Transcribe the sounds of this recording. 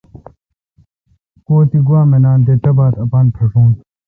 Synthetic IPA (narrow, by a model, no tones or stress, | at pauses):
koːt̪iɡwaːmenaːnt̪et̪ɐbaːt̪ɐpaːnpʰɐʂũːn